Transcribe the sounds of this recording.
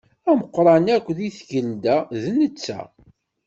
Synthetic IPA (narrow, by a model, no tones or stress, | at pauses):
æməqːɾˤɑnækʷːðiθʝəld̪æðnət͡sːæ̰